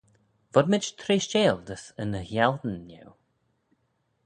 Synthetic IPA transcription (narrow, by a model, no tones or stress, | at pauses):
vɔd̪mɪd͡ʒt̪ʰɾeːʃt͡ʃeːld̪əsənəhjald̪ən̩ːɛ̰w